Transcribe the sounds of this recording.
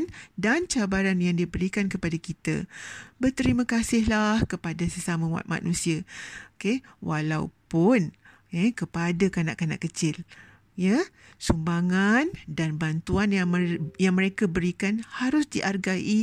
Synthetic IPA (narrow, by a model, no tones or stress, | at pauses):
ndant͡ʃabaɾanjaŋdibəɾikankəpadakit̪ə̰bərt̪əɾimə̃kasɪhlahkəpadasəsamə̃wa̰t̪̚ma̰nũsiakewʔalaṵpʊn | ekəpadakanaʔkana̰ʔkət͡ʃɪl | jə | sumbaŋandanbant̪uanjajaŋmə̃ɾekabəɾikanhaɾʊsdiʔarɡaʔi